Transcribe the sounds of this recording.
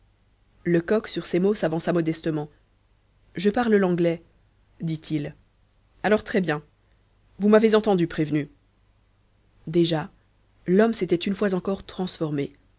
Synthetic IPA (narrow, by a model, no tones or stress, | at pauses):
ləkɔksyʁsemosavɑ̃samɔd̪ɛst̪əmɑ̃ | ʒəpaʁləlɑ̃ɡlɛ | d̪it̪ʰil | alɔʁt̪χɛbjɛ̃ | vumavezɑ̃t̪ɑ̃d̪ypχevny | d̪eʒa | lɔmset̪ɛt̪ynfwazɑ̃kɔʁt̪χɑ̃sfɔʁme